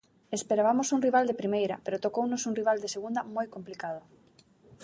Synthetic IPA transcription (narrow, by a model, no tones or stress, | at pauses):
espeɾaβamosuŋriβ̞ald̪epɾimejɾapeɾot̪okownosuŋriβ̞ald̪eseɣund̪amojkomplikað̞o